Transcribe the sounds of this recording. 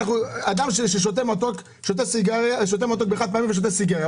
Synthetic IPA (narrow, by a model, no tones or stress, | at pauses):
aχuad̪amʃeʃeʃ̬ot̪emat̪ok | ʃot̪esiɡaʁʃot̪emat̪̬ok̚beχad̪̚pamimveʃ̬ot̪esiɡaʁja